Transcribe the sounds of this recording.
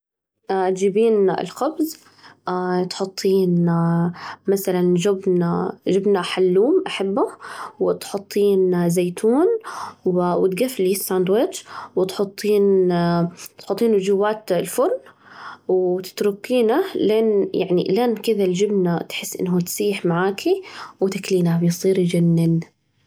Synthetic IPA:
ʔat̪d͡ʒiːbiːnɪ̰lxʊbz | ʔat̪ħʊt̪ˤːiːn | masaland͡ʒʊbnad͡ʒɪbnaħalːuːmʔaħabːawɪt̪ħʊt̪ˤːiːnzeːt̪ʰuːnwwɪt̪ɡafːlisːaːnd̪wɪd͡ʒwɪt̪ħʊt̪ˤːiːn | t̪ħʊt̪ˤːiːnd͡ʒʊwːaːt̪lfʊɾn | wt̪ɪ̥t̪ɾʊkːiːnalʔeːnjaʕnḭlaːnkɪðald͡ʒɪbnat̪ħɪsːʔɪ̰nːɦut̪siːħmaʕaːkʰiwt̪akliːnabjsˤiːɾd͡ʒanːɪn

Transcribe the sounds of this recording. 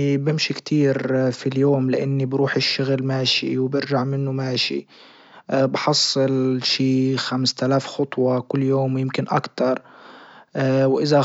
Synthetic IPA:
bɪmʃikt̪ʰiːɾfiljoːmlɪʔanːibɾuːħɪʃːʊɣlmaːʃḭwbɪɾʒaʕmɪnːʊmaːʃḭ | bħɑsˤːɨlʃiːxamst̪alaːfxɑt̪ˤwɑkʊlːjoːmwjɪmkɪnʔa̰kt̪ɑɾˤ | wʔɪza

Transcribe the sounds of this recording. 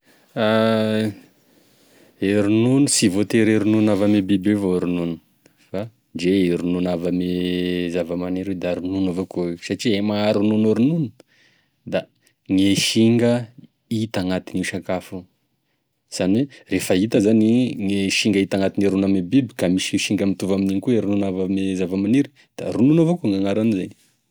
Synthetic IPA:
a | eɾununusivot̪eɾeɾununavamebibevoɾununu̥ | fa | d͡ʒeeɾununavamezavamaneɾed̪aaɾununavokoesaʈ͡ʂiemaaɾununuɾununə̥ | d̪a | ŋeʃiŋɡə | it̪aŋat̪iniʃakafu | z̥anwerefəit̪əzaniŋeʃiŋɡəit̪aŋat̪iniɾunamibibi̥kamiʃiʃiŋɡəmit̪uvaminiɲikuiɾununavəmezavəmaniɾi̥ | d̪̥a̰ɾununavokuŋaŋaɾanizan

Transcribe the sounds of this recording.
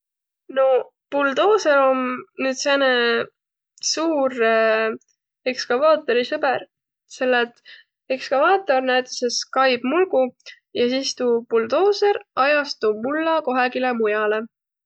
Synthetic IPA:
no̞ | puld̪o̞ːseɾo̞nnyːd̪sene | suːɾ | e̞kskɑvɑːt̪ːˑo̞ɾisɤber | se̞lːet̪ | ekskɑvɑːt̪ːˑo̞rnæjt̪ˑseskɑjb̥mulɡ̥u | jɑsiːst̪uːpuld̪o̞ːseɾɑjɑst̪umulːɑko̞ɦekilemujɑle

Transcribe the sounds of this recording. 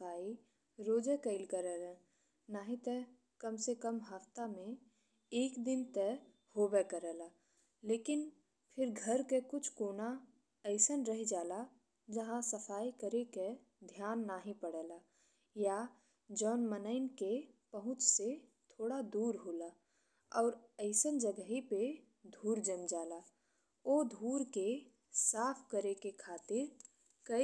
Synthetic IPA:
aːi | ɾoːd͡ʒɛkəɪlkəɾɛːlɛ̃ | naːɦĩt̪ɛ | kəmsekəmɦəft̪amẽ | eːkd̪ɪnt̪ɛ | hoːbɛkəɾɛːlaː | leːkɪn | pʰɪɾɡʱəɾkekʊt͡ʃʰkoːna | əɪsənɾəɦd͡ʒaːla | d͡ʒɐɦãsəfʰaːikəɾeke | d̪ʱjaːnːaːɦĩpəɽɛlaː | ja | d͡ʒɔːnmənəɪnkepəɦʊ̃t͡ʃset̪ʰoːɽad̪uːɾɦoːlaː | ɔːɾəɪsənd͡ʒəɡəɦipe | d̪ʱuːɾd͡ʒə̃nd͡ʒaːlaː | oːd̪ʱuːɾke | saːpʰkəɾekekʰaːt̪ɪɾ | kə

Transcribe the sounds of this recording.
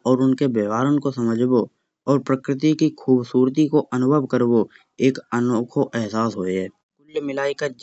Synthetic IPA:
ɔːɾʊnkebeːʋaːɾənkosəməd͡ʒʱbo | ɔːɾpɾəkɾɪt̪ikikʰuːbsuːɾt̪ikoʔənʊbʱəbkəɾbo | eːkənoːkʰoʔɛɦsaːsɦoːeɦɛː | kʊlːmɪlaːikad͡ʒ

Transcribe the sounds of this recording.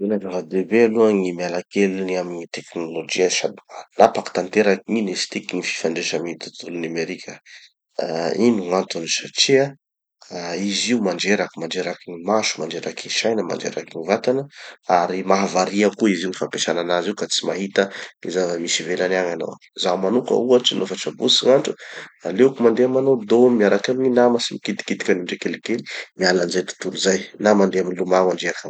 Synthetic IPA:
velazavad̪ebealuaŋimalakeluniamiɲit̪eknolod͡ʒiasad̪anapaki̥t̪ant̪eɾakiŋinest̪ikiŋifi̥faɳɖ͡ʐeʃamit̪ut̪ulunameɾikʲʰə | inuŋant̪unisaʈ͡ʂia | iziumaɳɖ͡ʐeɾakimaɳd͡ʒeɾakiŋimaʃu̥manɖ͡ʐeɾakiʃajnəma̰ɳɖ͡ʐḛɾakiŋivat̪anəaɾimaɦavaɾiakuiziunifampeʃananaziukat͡simaɦit̪əizavamisivelanaŋano̰w | zamanukə̰uaʈ͡ʂinofaʈ͡ʂabusiŋaɳʈ͡ʂualewkumand̪eamanod̪omiaɾakaminamasimikit̪i̥kit̪i̥kʲaniɳɖ͡ʐekelikeli̥mialanizajt̪u̥t̪uluzajnamand̪eaminilumamaɳɖ͡ʐeɾakam

